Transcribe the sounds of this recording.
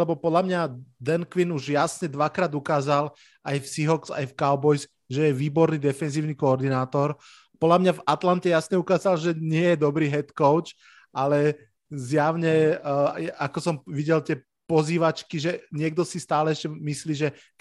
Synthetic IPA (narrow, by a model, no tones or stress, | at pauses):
lɛbɔpɔd̪lamɲad̪ɛnkʋinuʒjasɲɛd̪ʋakɾaːd̪ukaːzal | ajfsiɦɔksa̰jfkaʊbɔjs | ʒɛjɛʋiːbɔɾniːd̪ɛfɛnziːʊnikɔːɾd̪inaːt̪ɔɾ | pɔd̪lamɲavat̪lant̪ɛjasɲɛukaːzalʒɛɲɪɛjɛd̪ɔbɾiːɦɛt̪kɔʊt͡ʃ | alɛ | zjaʊɲɛ | akɔsɔmʋiɟɛlt̪ɪɛ | pɔziːʋat͡ʃkiʒɛɲɪɛɡ̚d̪ɔsist̪aːlɛɛʃcɛmisliːʒɛ